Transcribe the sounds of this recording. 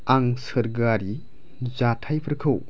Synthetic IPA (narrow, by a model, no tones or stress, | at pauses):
aŋsəɾɡaɾi | zatʰajpʰəɾkʰɯw